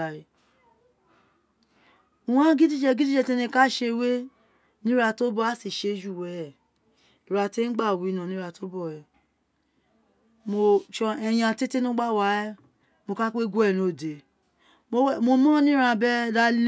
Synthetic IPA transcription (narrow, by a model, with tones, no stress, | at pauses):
a˨ɾe˧ | u˨wã˦ɡi˦di˦d͡ʒɛ˧ɡi˦di˦d͡ʒɛ˧˨te˦nĩ˧ka˦ʃe˧we˦ | nĩ˦ɾa˧to˦bɔ˦a˦si˦˨ʃe˧˦d͡ʒu˦˨wɛ˨ɛ˨ | i˨ɾa˧te˦n̩˦ɡ͡ba˦˨wu˨i˨˧nã˨nĩ˦ɾa˧to˦bɔ˦˨ɾɛ˨ | mo˧ʃɛ˧j̃ã˧˨te˦te˦nũ˦ɡ͡ba˦˨wa˨˦ɛ˦ | mo˧ka˦k͡pe˦ɡu˦ɛ˦˨no˨˦˨de˨ | mo˧˦mo˧mɔ̃˦nĩ˦ɾã˧bɛ˦da˦l